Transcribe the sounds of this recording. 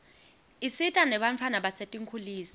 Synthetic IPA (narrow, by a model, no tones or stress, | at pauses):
isitʼanɛɓaɱfʰanaɓasetʼiŋkʰuliːsɛ̥